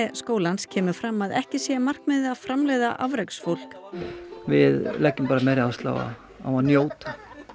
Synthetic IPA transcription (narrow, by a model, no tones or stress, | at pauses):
skoːwlanscʰɛːmʏfɾamːaðɛhcɪsjɛmar̥kmɛðafɾamlɛjðaʔavɾɛksfowl̥k | vɪðlɛcːʏmpaːɾamɛɾɪaast̪la̰ːwa̰ | a̰wanjoːwt̪ḁ